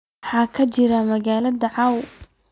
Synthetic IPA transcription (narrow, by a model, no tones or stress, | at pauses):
ħɑːkʰɐt͡ʃɪɾɐmɐɣaːlɐðɐʕɑw